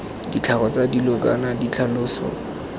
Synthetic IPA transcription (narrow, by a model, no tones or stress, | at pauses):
dit͡ɬʰaɣɔt͡sadilʊk̬ʼa̰nadit͡ɬʰalʊːsɔ̰